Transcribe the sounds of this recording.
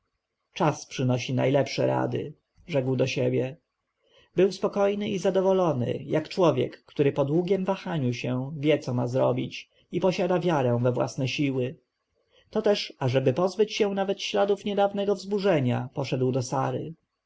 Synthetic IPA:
t͡ʂaspʂɘnɔɕina̰jlɛpʂɛ̰ɾa̰d̪ɘ̰ | ʐɛɡwd̪ɔɕɛbʲjɛ | bɘwspɔkɔjnɘʔizad̪ɔvɔlɔnɘ̰jakt͡ʂwɔvʲjɛ̰kːt̪uɾɘpɔd̪wuɡʲɛmvaxaɲuɕɛ̃vʲjɛt̪sɔmazɾɔbʲit͡ɕ | ipɔɕad̪avʲjaɾɛ̃w̃vɛvwa̰snɛɕiwɘ | t̪ɔt̪ɛʂaʐɛbɘpɔzbɘt͡ɕɕɛw̃navɛt̪ɕlad̪ufɲɛd̪avnɛɡɔvzbuʐɛɲapɔʂɛd̪wd̪ɔsaɾɘ̰

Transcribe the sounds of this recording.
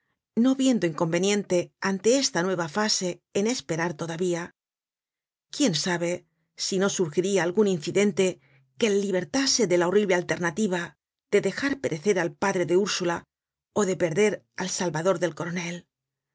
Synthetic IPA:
no̞βje̞nd̪oiŋko̞mbe̞njẽ̞nt̪e̞ant̪e̞est̪anwe̞βafase̞ːne̞spe̞ɾaɾt̪o̞ðaβia | kje̞nsaβe̞ | sino̞suɾxiɾiaːlɣuninθiðe̞nt̪e̞ | kelːiβe̞ɾt̪ase̞ðe̞lao̞riβle̞alt̪e̞ɾnat̪iβ̞a | ð̥e̞ðe̞xaɾpe̞ɾʔe̞θe̞ɾalpaðɾe̞ðe̞uɾsula | o̞ðe̞pe̞ɾðe̞ɾ | alsalβaðo̞ɾðe̞lko̞ɾone̞l

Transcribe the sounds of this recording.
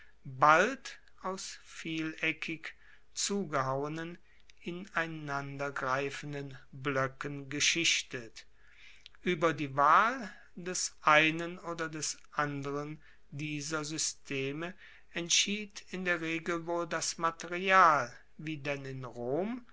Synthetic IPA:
balt | ʔaʊsfiːlɛkʰɪk | t͡suːɡəɦaʊənən | ɪnaɪnandɐɡʁaɪfən̩dənblœkənɡəʃɪʃtət | ʔyːbɐdiːvaːl | dɛsʔaɪnənoːdɐdɛsʔandəʁən | diːzɐzʏstʰeːmə | ɛntʃiːtɪndeːɐʁeːɡl̩voːldasmateʁiaːl | viːdɛnɪnʁoːm

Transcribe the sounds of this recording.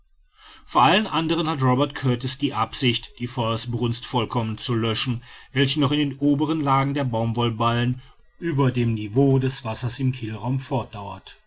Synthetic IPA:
foɐʔalənʔandəʁ̞ənhatʁɔbɛɐtkʰœɐtɪsd̥iːʔapz̥ɪçtd̥iːfɔʏɐsbʁʊnstfɔlkʰɔmənt͡sulœʃn̩vɛlçənɔχɪndeːnʔoːbəʁ̞ənlaːɡŋ̩deːɐbaʊmvɔlbalən | ʔyːbɐdeːmnivoːdɛsv̥asɐsɪmkʰɪlʁaʊmfɔɐt̚d̥aʊɐt

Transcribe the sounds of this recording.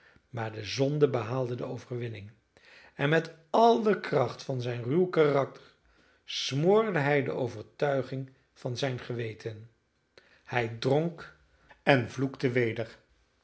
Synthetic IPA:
maːɹdəzɔndəbəɦaːlˠdədəowvərʋɪnɪŋ | ɛnmɛt | ɑlˠdəkrɑχtfɑnzɛjnrywkarɑk̚tʰəɹ | smoːɹdəɦɛjdə̰ʔowvəɹtœɥχɪŋ | v̥ɑnzɛjnχəʋejtʰən | hɛjdroŋk | ɛnvluktəʋejdəɹ

